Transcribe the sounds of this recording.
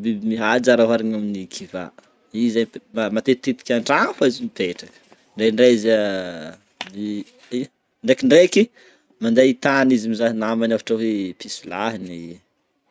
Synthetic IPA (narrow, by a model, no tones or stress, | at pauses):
bibimiɦad͡ʒaɾaɦaɾiɲaminikʰiva̰ | izamamat̪et̪it̪i̥kʲaɳɖ͡ʐafaizimipeʈ͡ʂakə̥ | ɳɖ͡ʐeɳɖ͡ʐeza | mi | i | ɳɖ͡ʐekiɳɖ͡ʐeki | mand̪eit̪anizimizaɦinamanafaʈ͡ʂaɦipisilaɦini